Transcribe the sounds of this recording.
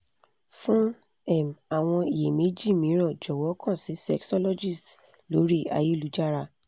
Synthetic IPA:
fũ˦ | ɛ˦˨ma˨w̃ɔ̃˧i˨je˨me˦d͡ʒi˦˨mĩ˨˦ɾ̃ɔ̃˦˨d͡ʒɔ˨wɔ˨˦kã˦˨si˨˦sɛ˦˨ksɔ˦lɔ˦d͡ʒi˦˨st | lo˨˦ɾi˦˨a̰˧ji˦˨lu˨˦d͡ʒa˦˨ɾa˧˨

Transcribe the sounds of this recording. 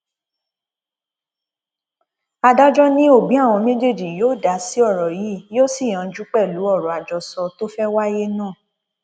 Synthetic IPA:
a˧da˦d͡ʒɔ˦nĩ˦o˦˨bĩ˨˦a˦˨w̃ɔ̃˧me˦d͡ʒe˦˨d͡ʒi˨joː˦˨da˨˦si˨˦ɔ˦˨ɾɔ˨ji˨˦jo˦si˦˨j̃ã˨˧˨d͡ʒu˦k͡pɛ˦˨lu˨˦ɔ˦˨ɾɔ˨a˨d͡ʒɔ˧sɔ˧to˦fɛ˦wa˦je˦nãː˦˨

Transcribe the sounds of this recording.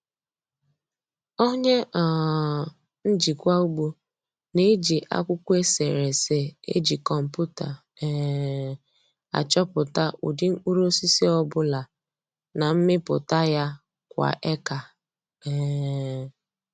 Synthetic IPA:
o˦ɲe˦ʔɔ˨ | n̩˦d͡ʒi˨kʷa˦u˦ɡ͡bu˦ | ne˦d͡ʒi˨ʔa̰˦kʷʊ˦kʷu˦e˦se˨ɾe˨se˦ḛ˦d͡ʒi˨kɔ˨m̩˨pu˦ta̰˨ | a̰˨t͡ʃɔ˦pʊ˨ta˦ʔṵ˨dɪ˦ŋ̩˦k͡pu˦ɾo˦si˦se˦ɔ˦bʊ˦la˨ | na˨m̩˦mɪ˦pʊ̰˨ta˦ja˦ | kʷa̰˨ʔe˦ka˨˦˨

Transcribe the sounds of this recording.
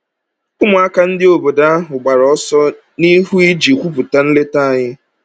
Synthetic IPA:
ʊ˦mʊ˨a˦ka˦n̩˦dɪ˦o˨bo˨da˦a˦ɦʊ˨ɡ͡ba˨ɾɔ˦sɔ˦ | ni˦ɦu˦i˦d͡ʒi˨kʷu˦pʊ˨ta˦n̩˦le˦ta˦a˦˨ɲɪ˦

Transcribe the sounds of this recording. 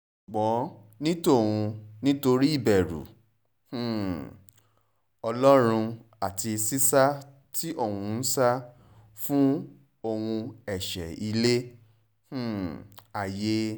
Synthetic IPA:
ɡ͡bɔ̃˨˦ | nĩ˦to˦˨wũ˧nĩ˦to˧ɾi˦i˦˨bɛ˨ɾṵ̃˨ | ɔ˧lɔ˦ɾ̃ũ˧ | a˦˨ti˧si˦sa˦ | tʰi˦ʔo˦˨wũ˧n̩˦sa˦ | fũ˦ | o˧wũ˧ɛ˨ʃɛ̰˨i˧le˦ | h̩˦˨a˨je˦

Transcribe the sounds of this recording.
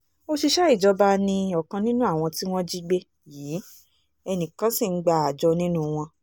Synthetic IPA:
o˧ʃi˧ʃɛ˦i˦˨d͡ʒɔ˧ba˧nĩ˧ɔ˨kã˧nĩ˦nũ˦a˦˨w̃ɔ̃˧ti˦w̃ɔ̃˦d͡ʒi˦ɡ͡be˧ | jiː˨˦ | ɛ˧nĩ˨kã˨˦si˦˨˦ɡ͡ba˧˨a˨d͡ʒɔ˧nĩ˦nũ˦w̃ɔ̃˧

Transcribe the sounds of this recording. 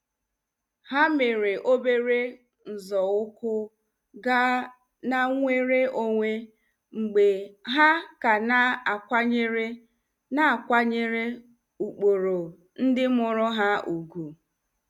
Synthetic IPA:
ha˦me˨ɾe˨ʔo˦be˦ɾe˦ | n̩˨zɔ˨ʊ˦kʊ˦ | ɡa˦ | na˦ŋʷe˦ɾe˦o˦ŋʷe˦ | ŋ͡m̩˨ɡ͡be˨ɦa˦ka˨na˦a˨kʷa˦ɲe˦ɾe˦ | na˨a˨kʷa˦ɲe˦ɾe˦ | u˨k͡po˨ɾo˨ | n̩˦dɪ˦mʊ˨ɾʊ˦ɦa˦ʔu˨ɡu˨

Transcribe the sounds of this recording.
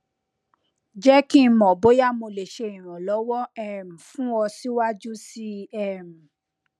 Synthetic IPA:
d͡ʒɛ˦ki˦˧˦mɔ̃˨bo˨˦ja˦˨mo˧le˨ʃe˧˨ĩ˨ɾ̃ɔ̃˨lɔ˨˦wɔ˦ɛ˨m̩˨fũ˦ɔ˧si˦wa˦d͡ʒu˦si˦ɛ˦˨m̩˨

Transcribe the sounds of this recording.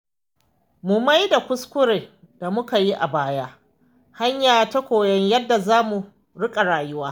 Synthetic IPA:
mʊ˨ma˦jda˨kʷʊ˦skʷʊ˦ɾeː˨ | d̥a˨mʊ˦ka˨ji˦ʔa̰˨baː˦jaː˦ | ha˦ɲjaː˨tɐ˦kʷoː˨jɐ˦ɲjɐ˦dːa˨zaː˦mu˨ | ɽɪ˦kʼa˨ɽaː˨jʊ˦waː˦

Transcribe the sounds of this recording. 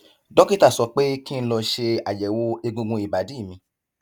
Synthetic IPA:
dɔ˦ki˦ta˦˨sɔ˧k͡pe˦ki˦n̩˦lɔ˧ʃe˧a˨jɛ˨wo˧˦e˧ɡũ˧ɡũ˧i˨ba˨˦di˨˦˨mĩ˧˦

